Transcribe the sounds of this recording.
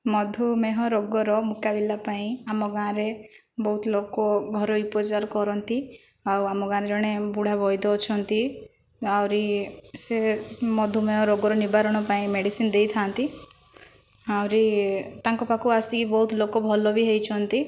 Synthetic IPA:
mɔd̪ʱumeɦɔɾoɡɔɾɔmukabilapaĩamɔɡãɾe | bɔɦut̪lokɔɡʱɔɾɔupɔd͡ʒaɾkɔɾɔnt̪i | awamɔɡãɾed͡ʒɔɽ̃ebuɽ̤abɔjd̪ɔːt͡ʃʰɔnt̪i | awɾisemɔd̪ʱumeɦɔɾoɡɔɾɔnibaɾɔɽ̃ɔpaĩmeɽisind̪ejt̪ʰant̪i | awɾit̪ãŋkɔpakuasikibɔɦut̪lokɔbʱɔlɔbiɦejt͡ʃʰɔnt̪i

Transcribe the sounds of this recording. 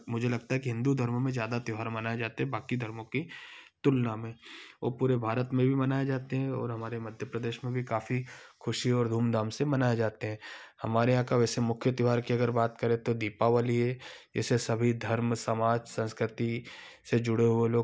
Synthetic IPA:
mʊd͡ʒʱelɐɡ̚t̪aɦɛkiɦɪ̃nd̪ud̪ʱɐɾmmẽzjaːd̪at̪jʊɦaːɾmɐnaːed͡ʒaːt̪eɦɛ̃baːkid̪ʱɐɾmõkit̪ʊlnamẽo̰ːpuːɾebʱaːɾət̪mẽbʱimɐnaːed͡ʒaːt̪eɦɛ̃ɔ̰ːɾɦɐmaːɾemɐd̪ʱjəpɾɐd̪eːʃmẽbʱikaːfikʰʊʃiɔːɾd̪ʱuːmd̪aːmsemɐnaːed͡ʒaːt̪eɦɛ̃hɐmaːɾeãːkaʋɛːsemʊkʰjət̪jʊɦaːɾkiɐɡəɾbaːt̪kɐɾẽt̪od̪iːpaʋaːliɦɛd͡ʒɛ̰ːsesɐbʱid̪ʱɐɾmsɐmaːd͡ʒsə̃nskɾɪt̪ised͡ʒʊɽeɦueloːɡ

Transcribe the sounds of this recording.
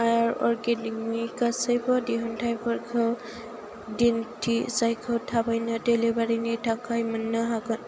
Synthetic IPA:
ajaɹɔ̰ɹɡeniknikasajbɔdiɦɔntʰajbɔɹkʰɯw | dintʰisajkʰɯwtʰabajnɔtelebaɹinitʰakʰajmanːɔɦaɡɔn

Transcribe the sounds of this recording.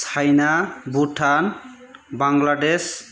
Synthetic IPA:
ajnabuʈʰan | baŋɡlades

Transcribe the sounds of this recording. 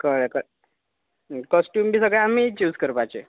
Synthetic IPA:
kəɭekə | kɔsʈjuːmbʱiːsəɡɭejamiːt͡ɕuːd͡zkəɾpajt͡ɕe

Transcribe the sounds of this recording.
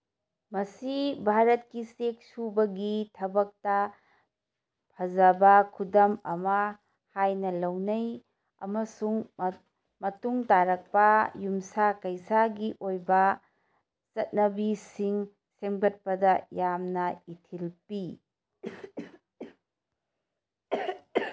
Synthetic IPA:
mɐsibʱaɾɐt̚kisek̚subɐɡitʰɐbɐk̚tɐ | pʰɐzɐbɐkʰudɐmɐmɐ | hajnɐlɐwnɐj | ɐ̰mɐsuŋ | mɐtuŋtaɾɐk̚pɐjumsakɐjsaɡiʔojbɐ | sɐt̚nɐbisiŋ | semɡɐt̚pɐdɐjamnɐitʰilpi

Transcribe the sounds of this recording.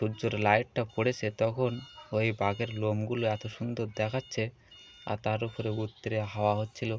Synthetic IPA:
ʃud͡ʒoɾlajʈʈapoɽet͡ɕʰet̪ɔkʰonojbʱaɡeɾlomɡuloɛt̪oʃund̪oɾd̪ɛkʰatːʃʰe | a̰ɾt̪aɾupoɾeut̪ːoɾeɦaoaɦot̪ːt͡ɕʰilo

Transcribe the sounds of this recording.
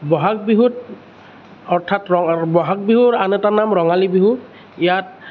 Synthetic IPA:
bɔɦak̚biɦut | ɔɹtʰatɹɔbɔɦak̚biɦuɹanɛtanamɹɔŋalibiɦu | ijat̚

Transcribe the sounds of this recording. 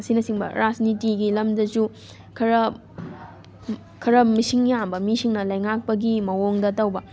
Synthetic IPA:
ɐsinɐsiŋbɐ̰ɾad͡ʒnitiɡilɐmdɐzu | kʰɐɾɐ | kʰɐɾɐmisiŋjambɐmisiŋnɐlɐjŋak̚pɐɡimɐoŋdɐtɐwbɐ

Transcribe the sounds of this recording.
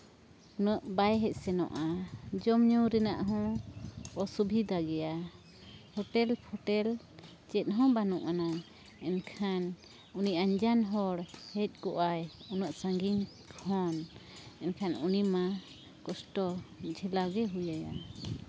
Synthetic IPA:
unɔʔbajɦɛc̪̚ˀsɛnɔ̰ʔad͡ʒɔmɲuwɾɛnaʔɦɔ̃ | ɔsubʱid̪aɡɛja | hɔʈɛlpʰɔʈɛl | t͡ʃɛt̪̚ˀɦɔ̃banuʔana | ɛnkʰan | uniʔaɲd͡ʒanɦɔɽhɛc̪̚ˀkɔʔajunɔʔsaŋɡiɲ | kʰɔnɛnkʰanunima | kɔsʈɔd͡ʒʱɛlaɡɛɦujaja̰

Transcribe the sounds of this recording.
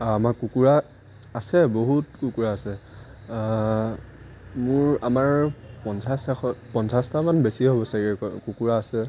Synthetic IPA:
amakukuɹaː | sɛboɦutkukuɹaːsɛ | mʊɹamaɹpɔnsasaxɔpɔnsastamanbesiɦobɔsaɡɛkukuɹaːsɛ

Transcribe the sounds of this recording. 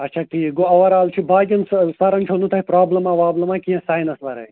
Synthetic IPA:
ɐtːt͡ʃʰaːkiːɡoɐʋɐɾaːlt͡ʃʰibaːɡʲɐnssɐɾɐnt͡ʃʰonut̪ʰɐipɾaːblɐmãːʋaːblɐmãːkijɐ̃saːjnɐsʋɐɾɐ̰j

